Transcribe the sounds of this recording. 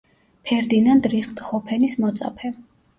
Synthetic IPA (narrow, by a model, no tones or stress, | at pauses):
pʰɛɾd̪inand̪ɾiχt̪ʼχɔpʰɛnismɔt̪sʼa̰pʰɛ